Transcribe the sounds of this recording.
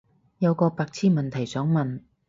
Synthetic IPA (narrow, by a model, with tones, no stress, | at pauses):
jɐ˨˧wkɔː˧paː˧k̚t͡sʰiː˥nmɐ˨nt̪ʰɐ˨˩jsœː˨˥ŋmɐ˨n